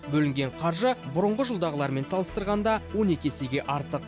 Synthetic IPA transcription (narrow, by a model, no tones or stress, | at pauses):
bɵlɪŋɡʲe̞ɴqʰɑɾʒəbʊɾəɴʁəʒʊlˠd̪ɑʁəlˠɑɾme̞nsɑlˠəst̪əɾʁɑnd̪ɑwo̞ne̞kʲese̞ɡʲe̞ʔɑɾt̪əq